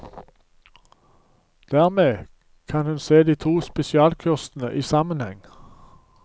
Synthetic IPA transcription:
d̪̥æːʁmeː | kʰɑnhʉnseːd̪iːt̪ʰuːspɛsɪɑːlkʰʉʁst̪n̩əʔiːsɑmənhɛŋ

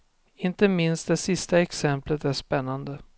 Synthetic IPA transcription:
ɪnt̪əmɪnst̪̚d̪ɛsɪst̪aɛksɛmplət̪æʂpɛnːand̪ə

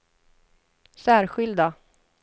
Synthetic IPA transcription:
sæːɾɧɪld̪a

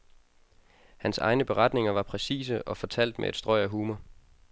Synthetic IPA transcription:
hænsɑ̈ɪnəb̥e̝ʁɑ̈d̥ne̝ŋɐʋɑ̈pʰʁɛsḭːs̬əʔɒ̽fɒ̽t͡sʰæl̰d̥mʔḛæd̥sd̥ʁɒɪ̰æɦuːmɐ

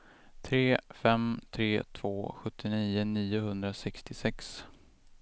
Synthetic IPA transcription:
t̪ʰɾeːfɛmt̪ʰɾeːt̪ʰv̥oːɧɵt̪ʰːɪniːəniːʊhɵnd̪ɾasɛkst̪ɪsɛks

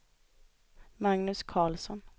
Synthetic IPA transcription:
maŋnɵskʰɑːlsɔn

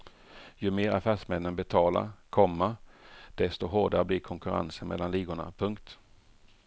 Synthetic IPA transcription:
jɵmeːɾafæːʂmɛnːənbɛt̪ʰɑːla̰ɾkʰɔmːad̪̥ɛst̪ʊɦoːɖaɾəblɪkʰɔŋkɵɾa̰nsənmɛ̰lːanliːɡʊɳa̰pʰɵŋkt̪

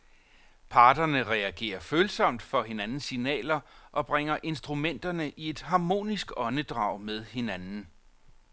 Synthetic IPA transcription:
pʰɑ̈ːd̥ɐnəʁɛæɡ̥e̝̰ːɐføːlsɒ̽m̰d̥fɒ̽ɦe̝nænn̩sinɛ̰ːlɐʔɒ̽b̥ʁeŋ̰ɐʔe̝nsd̥ʁumen̰d̥ɐnəʔie̝d̥ɦɑ̈mo̝̰ːnisɡ̥ɒ̽nəd̥ʁɑ̰̈ʊ̰með̞ˠhe̝nænn̩

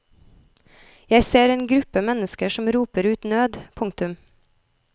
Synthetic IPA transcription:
jæɪseːɾeːnɡɾʉpəmɛnəskəʃɔmɾuːpəɾʉːt̪nøːd̪pʰʊŋ̚t̪ʉm

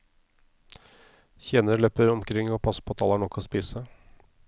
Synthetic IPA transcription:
çeːnəɭøpəɾɔmkʰɾɪŋːoːpʰɑsə̥pʰɔɑt̪ʰɑlɑɳɔkʰːoːspiːsə

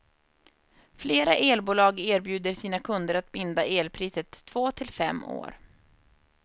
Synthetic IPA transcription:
fleːɾaʔeːlbuːlɑːɡeːɾbjʉ̟ːd̪əʂiːnakʰɵnd̪əɾat̪̚bɪnd̪aʔeːlpʰɾiːsət̪ʰːv̥oːt̪ʰɪlfɛ̰mːo̰ːɾ

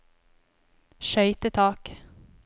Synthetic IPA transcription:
ʃœʏt̪ət̪ʰɑːk

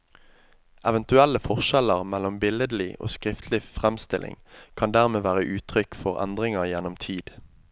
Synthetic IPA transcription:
ʔɛʋənt̪ʉælːəfɔʁʃɛləʁmælɔmbɪləd̪l̩ɪʔo̰ːskʁɪft̪ʰlɪfʁɛmst̪ɪlʔɪ̰ŋkʰɑnd̪æːʁmeːʋæːʁəʔʉːt̪ʰʁʏkfɔʁæ̰nd̪ʁɪŋəʁjɛnɔmt̪ʰiːd̪̥

